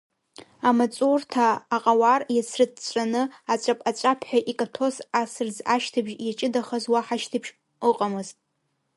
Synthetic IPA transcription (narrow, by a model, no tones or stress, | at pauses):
amat͡sʼurtʰaːqʼawarjasʰrɨd̚t͡ɕʷt͡ʃʷʼanɨat͡ʃʷʼapʼat͡ʃʷʼapʰħʷᶣaʔikʼatʰo̞sasɨrd͡zaʃtʰɨbʒjat͡ʃʼɪdaχazwaħaʃtʰɨpʰʃ | ɨqʼamɨztʼ